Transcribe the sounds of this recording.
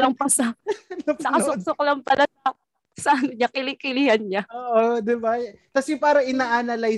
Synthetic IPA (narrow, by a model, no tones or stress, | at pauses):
lɐŋpɐsɐ | sɐkɐsok̚soklɐŋpɐlʔaɐ | saʔnoɲakɪlɪkɪlɪhɐnɲaoːʔod̪ɪbak̪ɐsɛpaːɾɐʔɪnaːʔanalaj